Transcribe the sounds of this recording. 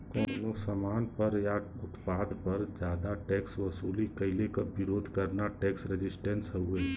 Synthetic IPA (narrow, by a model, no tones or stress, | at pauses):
kɔːnosɐmaːnpɐɾja | ʊt̪paːd̪pɐɾd͡ʒjaːd̪aʈɛːksʋɐsuːlikɐɪlekabɪɾoːd̪ʱkɐɾnaʈɛːksɾɪd͡ʒɪsʈẽnsɦəueː